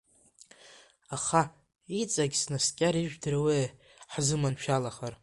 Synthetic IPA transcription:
aχa | it͡sʼaɡʲsnaskʲʼaɾiʒᶣdɨraweː | ħzɨmanʃᶣalaχar

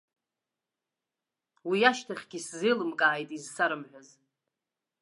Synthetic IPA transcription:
wiaʃtʰaχʲɡʲiszɨlɨmkʼaːjtʼizsaɾɨmħʷaz

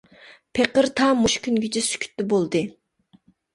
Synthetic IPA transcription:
pʰeqəɾt̪ʰɑmuʃkʲʰynɡʲɪt͡ʃʰɪsy̥kʲʰy̥t̪ːɪbolˠd̪ɨ

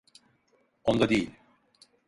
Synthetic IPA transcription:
ond̪ad̪ejilʲ

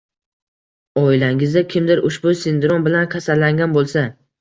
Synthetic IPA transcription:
ɒɪlaŋɪzd̪akʲʰɪmd̪ɪɾʊʃbʊsɪnd̪ɾɔnbɪlankʲʰasalːaŋɡʲanbolˠsa

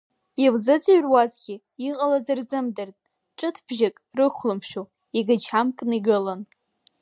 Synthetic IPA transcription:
ilzɨt͡sʼaɥrwazɡʲiː | qʼalazarzɨmdɨrtʼ | ʈ͡ʂʼɨtʰb̥ʒɪkʼrɨχʷlɨmʃᶣu | iɡat͡ʃʰamkʼniɡɨlan

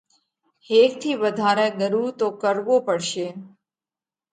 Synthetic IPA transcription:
hek̚t̪ʰiʋəd̪ʱaɾeɡəɾut̪okəɾʋopəɽʃe

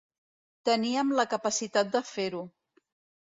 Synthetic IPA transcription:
t̪əniəmləkəpəsit̪at̪̚d̪əfeɾu

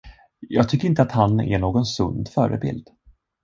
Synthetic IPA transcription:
jɑːɡ̚t̪ʰʏkːɾɪnt̪əat̪hanɛ̰ɳoːɡɔnsɵnd̪fœːɾə̰bɪ̰ld̪̥

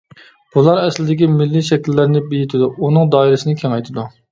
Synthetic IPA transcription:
b̥ulˠɑɾɛslɪd̪ɪkʲimɪlːiʃɛkʲilːɪɾnɪbijit̪ʰɪd̪uunɨŋd̪ɑːiɾɪsɨnɪkʲʰɛŋɛjt̪ʰɪd̪u

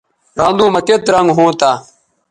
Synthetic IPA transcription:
ɾãːnd̪ũːməket̪ɾãŋɡɦõːt̪aː

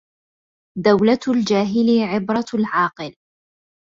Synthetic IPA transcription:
d̪awlald͡ʒaːɦɪlɪʕɪbɾˤɑlʕɑːqɨl

